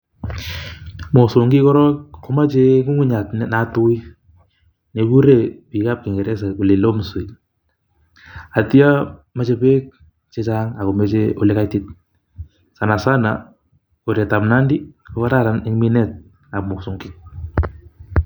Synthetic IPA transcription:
mo˨sʊ˨ŋɡɪ˦kɔ˦ɾɔ˦kko˦ma˦t͡ʃe˦ku˦ŋu˦ɲa˨tnɛna˨tu˦i | ne˨ku˦ɾe˨pi˨ka˦p̚kɪ˨ŋɡɛ˨ɾɛ˦s̬ɛ˨o˨le˨lo˦msʊ˨j | a˨ti˦a˦ma˨t͡ʃe˦pe˦k̚ | t͡ʃe˦t͡ʃa˦ŋa˨ko˨me˦t͡ʃe˦o̰˦le˦ka˦jtɪ˦t̚ | sa˨na˨sa˦na̰ | o˨ɾe˨ta˨pna˦ndi˦ko˦ka˦ta˦ɾa˨nɪ˦ŋmi˦nɛt̚ | a˨k̚mo˨ksʊ˨ŋɡɪ˦k̚

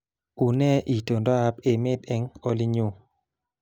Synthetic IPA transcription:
u˨nɛ˦ʔi˨to˨ndɔ˦a˦pe˨mɪ˦dɛ˧ŋo˦li˦ɲu˦˨

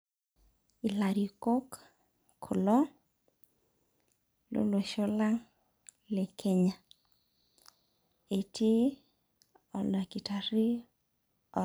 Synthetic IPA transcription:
i˨la˨ɾi˨ko˦k | kʰo˨lɔ˦ | lo̰˦lwe˨ʃo˦la˦ŋ | le˨kʰe˦ɲa˨ | e˨tʰe˦ | ɔ˨lɔ˨ki˨ta˨ɾi˦ | ɔ˨

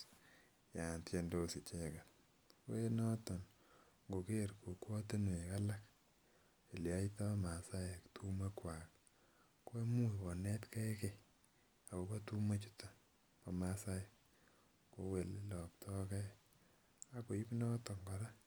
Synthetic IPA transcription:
ja˨ntje˨ndo˦si˨t͡ʃeka˨t | we˦nɔ˦tɔ˨n | ŋɡo˨ke˦ɾko˨kwɔ˦te˦n˨e˨ka˦la˦k | e˨lja˦ita˦ma˨sa˦je˨ktʰu˦me˦kwa˨k | ko˦e˦mu˦wɔ˨nɛ˦tkɛ˦ke | a˨ko˨ko˦tu˦me˦t͡ʃu̥˦tḁ˦ | pa˨masa˦je˨ | ko˨˦we˨lelɔ˨p̚tʰɔ˦kɛ˦ | a˨ko˨i˦pnɔ˦tɔ˨ŋɡɔ˨ɾa˦

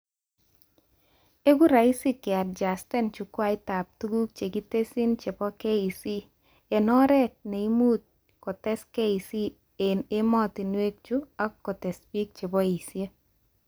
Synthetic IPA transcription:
e˦ɡu˦ɾa˨i˦si˦kɪ˨a˨dd͡ʒa˨stɛ˦nt͡ʃu˨kwa˦ɪ˦ta˨p̚tu˦ɡu˦k̚t͡ʃe˨ɡi˦te˦si˦nt͡ʃe˨bɔ˦ke˦i˨si˦ | e˨nɔ˦ɾɛ˦t̚ne˨i˦mu˦t̪̚ | kɔ˨tɛ˦ske˦i˨si˦ | e˨ne˦mɔ˦ti˨nwe˦k̚t͡ʃu˦a˦kːɔ˨tɛ˨spi˦k̚t͡ʃe˨bɔ˦i˨sje˦

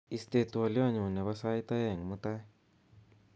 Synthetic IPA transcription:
i˨st̪e˨t̪u˨a˨li˦wa˦˨ɲu˨ne˨βa˦sa˦i˦t̪a˦je˦˨ŋ˨mu˦t̪a˦

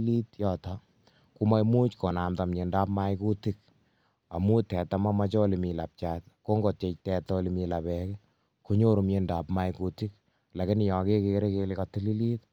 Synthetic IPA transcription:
li˦tjɔː˨tɔ | ku˦ma˦jmu˦t͡ʃko˨na˨mta˨mɲe˨nda˦pma˦jku˦ti˦k̚ | a̰˨mu˦tɛ˨ta˨ma˦ma˦t͡ʃɔ˦li˨mi˨la˨p̚t͡ʃaːtko˦ŋɡo˨te˧t͡ʃtɛ˧tɔ˦li˧mi˧labɛk | ku˦ɲo˦ɾu˨mɲe˧nda˨pma˦jkuti˦k | la˨kɪ˦n˨jɔ˨ke˦ke˧ɾe˦ke˧lɪkɔ˨ti˦li˦li˦t

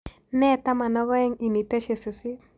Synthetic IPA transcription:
nɛ˦ta˦ma˨nɔ˦ɣɔ˦ɛ˦ŋi˨ni˨te˦ʃe˨su˨si˦

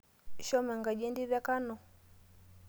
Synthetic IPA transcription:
ʃɔ˦mɛ˨ŋɡa˨d͡ʒi˦ndi˦βa˦ka˦nɔ˨

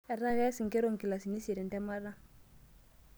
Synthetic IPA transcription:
ɛ˨ɾa˦ɣɛ˦si˨ŋkɛ˦ɾo˨ŋki˨la˨si˨ni˦si˨ɾɛ˨ndɛ˦ma˦ɾa˦

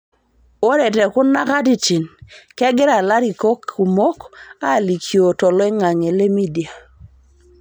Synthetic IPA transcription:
o˦ɾɛ˨te˨ku˦na˦ka˦ti˨t͡ʃi˨nkɛ˦ɡɪ˦ɾa˨la˦ɾi˨ko˦kʰːu˨mo˦ka˦˨li˨kʰjo˨tɔ˨lɔ˦ɛ˦ŋa˨ŋe˨le˦mi˦di˨a˨

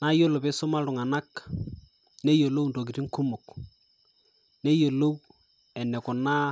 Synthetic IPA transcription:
na˦jo˦lʊ˨pɪ˦sʊ˦ma˦ɾʊ˨ŋa˨na˦k | ne˦jo˨lo˦wndo˨k̬ɪ˨ti˦ŋkʊ˦mʊ˨k | nɛ˦jo˨lo˦w | ɛ˨nɛ˨kʊ˨na˦

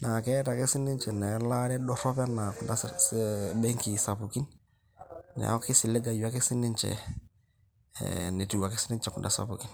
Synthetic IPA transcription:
na˨kɛ˦ta˨ke˦si˦ni˦ɲt͡ʃɛ˨nɛ˨la˦ɾɛ˦dɔ˦ɾɔ˦pɛ˦na˨ku˨nda˦ | bɛ˦ŋki˨sa˨pu˨ki˦n | na̰˨˦kɪ˦sɪ˨le˦ɡa˨ju˨a˦ki˦si˦ni˦ɲt͡ʃɛ̰˨ | ne˨tu˨wa˨kɪ˦sɪ˦ni˦ɲt͡ʃɛ˨kṵ˨nda̰˨sa̰˨pu˨ki˦n

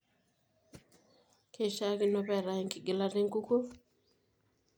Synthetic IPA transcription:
kʰe˨ʃa˦ki˦nɔ˨pɛ˦˨ɾa˨e˨ŋki˨ɡi˨la˦de˦ŋ˦ku˦ko˦

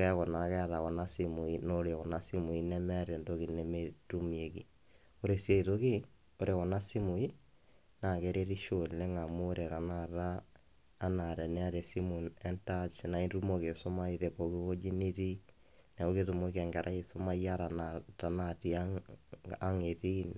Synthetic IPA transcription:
okɛ˦ɣɔ˨naɣɛ˦aɾa˨ɣɔ˨na˦simu˨inoɾewɔ˨na˦si˦mu˨inɛ˦mɛɾendoɣi˨nemetu˦mieɣi˨ | oɾesiei˨ðoɣi˦ | oɾʔewɔ˨na˦si˦mu˨i | na˨keɾeɾi˦ʃollɛ˦ŋa˨moɾeɾa˨naɾaː | naɾɛ˨nɛ˦aɾe˨si˦mu˨nɛntat͡ʃna˨inɾu˦moɣe˨so˦ma˦iɾepo˨ɣiwo˦d͡ʒi˦ni˦ɾi˦ | nɛ˨oɣeðu˨mo˦kɛ˨ŋɡɛ˨ɾʔa˦eso˦ma˦ia˦ɾanata˨nati˦a | a˦ŋeðin

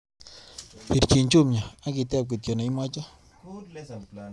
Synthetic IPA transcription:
pi˨ɾt͡ʃi˨nt͡ʃu˦mɲa˨a˦ki˨t̪ɛ˦˨p̚ki˨t̪jɔ˨na˨i˦mwa˦t͡ʃa˦

